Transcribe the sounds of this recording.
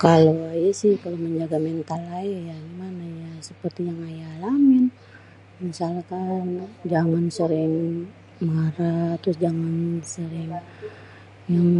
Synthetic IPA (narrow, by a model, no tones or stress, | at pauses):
kaloajsɪhkaloməɲd͡ʒaɡamɛnt̪alajajaɡimanajasəpərt̪ijaŋajalamɪn | misalkand͡ʒaŋansəɾɪŋ | maɾat̪ʊsd͡ʒaŋannsəɾɪŋ | jaŋ